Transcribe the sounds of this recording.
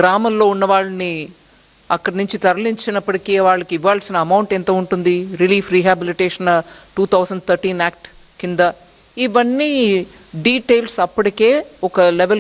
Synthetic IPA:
ɡɾaːmɐlːo̞ːunːɐʋaːɭːɐni | ɐkːɐɽinuɲt͡ʃit̪ɐɾɐliɲt͡ʃinɐpːɐʈikeʋaːɭːɐkiiʋːaːlsinɐːmɐwɳʈent̪oːuɳʈund̪iɾiliːfʰɾiɦaːbiliʈeːʂɐnɐʈuːt̪ʰɐwsɐɳɖ̚t̪ʰɐɾʈiːnaːk̚ʈ | kind̪ɐ | iʋɐnːi | ɖiːʈeːlsɐpːɐʈike̞ːɔkɐleʋel

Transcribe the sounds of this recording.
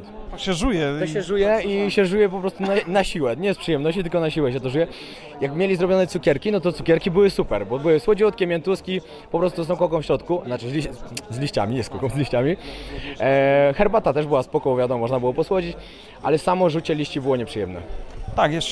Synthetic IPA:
ɔɕɛʐujɛɛʐujɛiɕɛʐujɛp̬ɔpɾɔst̪unanaɕiwɛɲɛspʂɨjɛmnɔɕt͡ɕit̪ɘlkɔnaɕiwɛɕ̬ɛt̪ɔʐujɛ | jakmʲjelʲizɾɔbʲjɔnɛt̪sukʲɛɾkʲinɔt̪ɔt̪sukʲɛɾkʲibɘwɘsupɛɾbɔbɨwɘswɔd͡ʑiɔt̪kʲɛmʲɛnt̪uskʲi | pɔpɾɔst̪usɔ̃kɔkɔ̃wfɕɾɔt̪kunat͡ʂɘzlʲiɕzlʲiɕt͡ɕa̰mʲiɲɛskɔkɔ̃w̃zlʲiɕt͡ɕamʲi | xɛɾbat̪at̪ɛʐbɘwaspɔkɔwvʲjad̪ɔ̃mɔʐnabɨwɔpɔswɔd͡ʑit͡ɕ | ʔa̰lɛsamɔʐut͡ɕɛlʲiɕt͡ɕibɘwɔɲɛpʂɨjɛmnɛ̰t̪akjɛ

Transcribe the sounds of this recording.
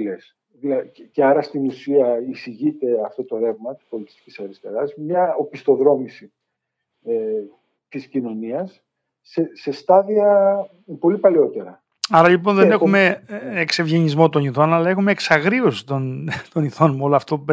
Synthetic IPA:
les | ðilɐceɐɾɐst̪inusiɐisiʝit̪e̞ɐft̪o̞t̪o̞ɾe̞vmɐt̪i̥sb̥o̞lit̪i̥st̪i̥cisɐɾist̪e̞ɾɐsmɲɐopist̪o̞ðɾo̞misi | e | t̪iscino̞niɐsː | ese̞st̪ɐðiɐ | po̞lipɐleot̪e̞ɾɐ | ɐɾɐʎipo̞nðene̞xume̞ːkse̞vʝe̞ɲizmo̞t̪o̞niθo̞nɐlɐe̞xume̞ːksɐɣɾiosi̥t̪ont̪o̞niθo̞nmuo̞loɐft̪o̞pup

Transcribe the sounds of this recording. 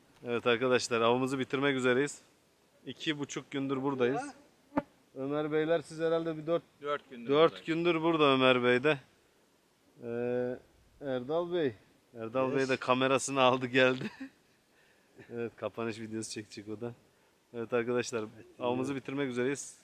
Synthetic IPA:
ɛvɛt̪aɾkad̪aʃlˠaɾavumɯzɯbit̪ʰiɾmɛcyze̞ɾejiz̥ | icʰibut͡ʃʰuk̚ɟynd̪yɾbuɾd̪ajɯz̥ | ømæɾbejlʲæɾsizeɾalʲd̪ɛbid̪øɾt̪̚d̪d̪øɾt̪ɟynd̪yɾbuɾd̪aø̞mæɾbejd̪ɛ | ɛː | æɾd̪alˠbej | æɾd̪alˠbejd̪ɛkʰame̞ɾasɯnɯalˠd̪ɯɟælʲd̪ɪ | evɛt̪̚kʰapʰanɯʃvid̪ejo̞su̥t͡ʃʰect͡ʃʰɯkud̪a | ɛvɛt̪ʰaɾkad̪aʃlˠaɾavumɯzɯbit̪ʰiɾmɛcyze̞ɾejiz̥

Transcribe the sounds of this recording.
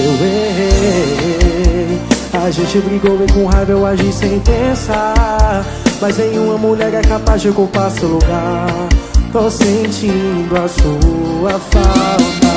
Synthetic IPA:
ewveee | aʒẽnt͡ʃɪbɾiɡowkõɦavewaʒisẽj̃pẽsa | mɐznẽj̃ũmɐmuʎɛɾɛkapazd͡ʒekowpaseluɡa | t̪õsẽt͡ʃĩd̪ʊasuɐfamɐ

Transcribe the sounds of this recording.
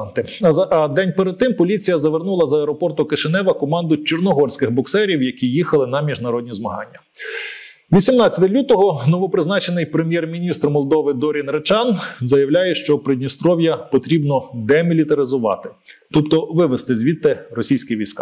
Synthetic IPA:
nt̪ɪɐd̪ɛnʲpeɾed̪̚t̪ɪmpɔlʲit͡sʲijɐzɐʋernulˠɐzɐɛɾɔpɔrt̪ʊkeʃɪnɛʋɐkɔmɑnd̪ʊt͡ʃɔrnɔɦɔrsʲkɪɣbɔksɛɾʲiwjɐkʲijixɐlˠɪnɐmʲiʒnɐɾɔdʲnʲizmɐɦɑ̰nʲːɐ | ʋʲisʲimnɑt͡sʲɐt̪ɪlʲut̪ɔɦɔnɔʋɔpɾɪznɑt͡ʃenɪjpɾemʲjɛrmʲinʲist̪rmɔlˠd̪ɔʋɪd̪ɔɾʲinɾet͡ʃɑnzɐjɐwlʲajɛʃt͡ʃɔpɾɪdʲnʲist̪ɾɔʋjɐpɔt̪ɾʲibnɔd̪ɛmʲilʲit̪ɐɾɪzʊʋɑ̰t̪ɪ̥ | t̪ɔpt̪ɔʋɪʋest̪ɪzʲʋʲit̪ːɛrɔsʲijsʲkʲɪʋʲijsʲkɑ̰

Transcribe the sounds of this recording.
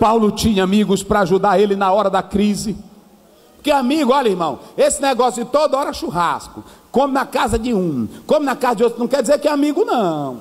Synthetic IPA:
pawlʊt͡ʃĩɲɐamiɡʊspɾɐaʒud̪aɾelɪnɐɔɾɐd̪ɐkɾizɪ | pkeamiɡʊɔʎɐiɾmɐ̰̃w̃esɪneɡɔsjʊd͡ʒɪt̪od̪aɔɾɐʃuɦaskʊkõmɪnɐkazɐd͡ʒɪũkõmɪnɐkazɐd͡ʒɪot̪ɾnɐ̃w̃kɛɾd͡ʒɪzeɾkɪɛamiɡʊnɐ̃

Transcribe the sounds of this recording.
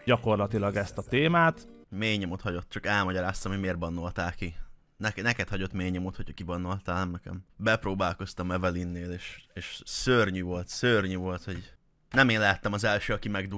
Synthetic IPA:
ɟɒko̞rlɒt̪ilɒɡɛst̪ɒt̪eːmaːt̪meːɲomoːt̪hɒɟo̞t̪̚ːt͡ʃɒkɛlmɒɟɒɾaːst̪ɒmomeːrbɒnːolt̪aːki | nɛknɛkɛt̪hɒɟo̞t̪meːɲomoːt̪hocʰɒkibɒnːolt̪aːlɛmnɛkɛ̰mbɛpɾoːbaːlko̞st̪ɒmɛvɛlinːeːleːʃeːʃsørɲyvo̞lt̪sørɲyvo̞lt̪ho̞ɟ | nɛmeːnlɛɦɛt̪ːɛmɒzɛlʃøːɒkimɛɡd̪u

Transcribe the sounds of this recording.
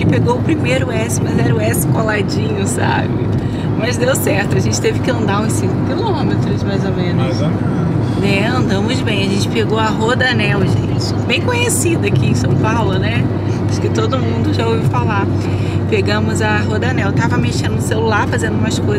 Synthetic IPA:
ɪpeɡowʊpɾimejɾʊɛsɪmɐzɛɾɐʊɛsɪ̥kolad͡ʒĩɲʊsa̰bɪ̰ | mɐzd̪ewsɛɾt̪ʊɐʒẽnt͡ʃɪ̥t̪evɪkɪɐ̃nd̪aũsĩkʊkilõmet̪ɾʊzmajzomẽnʊs | nɛɐ̃nd̪ɐ̃mʊzbẽj̃ɐʒẽnt͡ʃɪ̥peɡowɐɦod̪ɐnɛwɐʒẽt͡ʃɪbẽj̃kõɲesid̪ɐakʰiẽsɐ̃w̃pawlʊnɛ | pʊɾkɪt̪od̪ʊmũnd̪ʊʒaowvufala | peɡɐ̃mʊzɐɦod̪ɐnɛwt̪avɐmeʃẽnd̪ʊʊselulaɾfazẽnd̪ʊũmɐskojz

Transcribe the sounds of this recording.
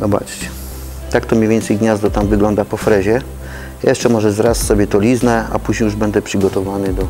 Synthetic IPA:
zɔba̰t͡ʂt͡ɕɛ̥ | t̪ak̚t̪ɔmʲejvʲɛnt̪sɛjɡɲazd̪ɔt̪amvɘɡlɔnd̪apɔfɾɛʑɛ | jajɛʂt͡ʂɛmɔʐɛzɾassɔbʲjɛt̪ɔlʲiznɛa̰puʑɲejuʐbɛnd̪ɛpʂɘɡɔt̪ɔvanɘd̪ɔ

